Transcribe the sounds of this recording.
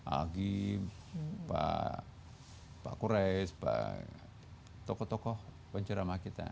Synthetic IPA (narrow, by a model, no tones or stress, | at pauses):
a̰ɡi | pa̰ | pa̰kuɾɛspa̰ | t̪ɔkɔt̪ɔkɔh | baɲt͡ʃaɾamakit̪a̰